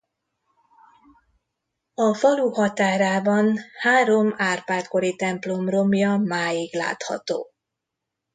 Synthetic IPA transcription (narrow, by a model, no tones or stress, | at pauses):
ɒfɒluhɒt̪aːɾaːbɒnhaːɾo̞maːrpaːrt̪ko̞ɾit̪ɛmplo̞mro̞mjɒmaːjiɡla̰ːt̪hɒ̰t̪o̰ː